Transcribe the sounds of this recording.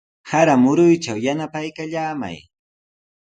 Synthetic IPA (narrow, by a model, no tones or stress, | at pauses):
haɾamʊɾʊjt͡ʃawjanapajkaʎaːma̰j